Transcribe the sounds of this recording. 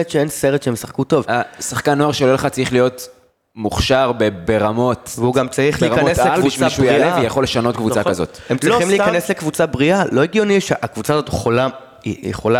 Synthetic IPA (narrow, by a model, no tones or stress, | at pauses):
etʃeenseʁet̪ʃeemsaχkuto̞vasaχkanːoaʁʃeoleleχat͡saʁiχlijo̞t | muχʃaʁbebeʁamo̞tveuɡamt͡saʁiχliːʁmkaneslelvuiʃaievijaχo̞lːeʃano̞tkvut͡sakazotemt͡sʁχimlikaneslekvut͡sabʁiʔalo̞eɡjoniʃeʔakvut͡saːzot̪jeχola | ijḛχola